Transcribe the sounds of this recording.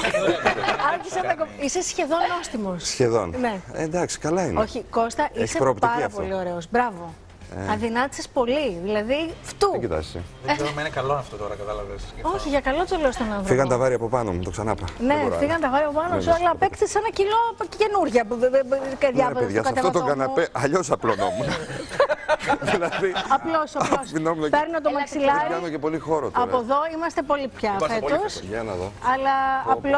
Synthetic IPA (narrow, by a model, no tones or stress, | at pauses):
ɐɾçisɐnɐkoise̞sçe̞ðo̞no̞st̪imo̞ssçeðo̞̰nne̞ed̪ɐksi̥kɐlɐinoçiko̞st̪ɐʔiseɾoptpɐɾɐpo̞lio̞ɾe̞ozbɾɐvo̞̰ | ɐðinɐt̪i̥sespo̞liðilɐðift̪uit̪ɐ̰ssḛðeeomɐinekɐloɐft̪ot̪oɾɐkɐt̪ɐlɐveso̞çiʝɐkɐlot̪st̪oleost̪onɐnðɾfiɣɐnt̪ɐvɐɾiɐpopɐnomut̪o̞ksɐnɐpɐneiɣɐnt̪ɐvɐɾiɐpopɐnosuɐlɐpekθesenɐcilo̞ce̞nuɾʝɐpupeɾðʝɐpeðesʝɐskɐt̪eoɐt̪okɐnɐpeʔɐʎosɐplono̰munɐ | ðilɐðiɐplosɐosinomunɐpeɾnot̪̬omɐksilɐkɐnocepo̞lixo̞ɾo̰t̪ɐpoðo̞imɐst̪e̞po̞lipçɐfeosɐnɐðoɐlɐːplo